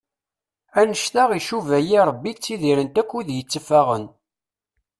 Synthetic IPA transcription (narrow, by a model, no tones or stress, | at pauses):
ænəʃθaʁiʃuvæjiɾˤəbːit͡sːiðiɾənt̪ækʷːuðjət͡sːəfaʁən